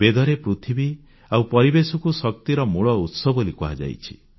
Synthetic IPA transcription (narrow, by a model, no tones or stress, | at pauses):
bed̪ɔɾepɾut̪ʰibi | awpɔɾibesɔkusɔk̚t̪iɾɔmuɭɔut̪sɔbolikuɦad͡ʒa̰jt͡ʃʰi